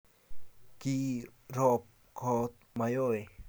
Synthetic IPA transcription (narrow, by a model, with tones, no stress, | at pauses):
ki˧ɾɔ˧p̚ | kʰɔ˧t̪̚ma˧jo˦˧j